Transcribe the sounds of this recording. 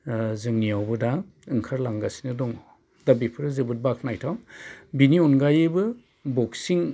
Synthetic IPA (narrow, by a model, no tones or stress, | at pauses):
zɯŋnijawbɯda | ɯŋkʰaɾlaŋɡasi̥nɯdɔŋ | dabipʰɯɾɯzɯbɯt̚bakʰnajtʰawbiniɔnɡajɯbɯ | bɔksiŋ